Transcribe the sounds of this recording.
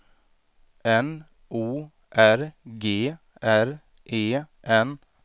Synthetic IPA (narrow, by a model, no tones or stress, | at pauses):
ɛn | ʔuː | ʔæɾɡeː | æɾ | ʔeːʔɛn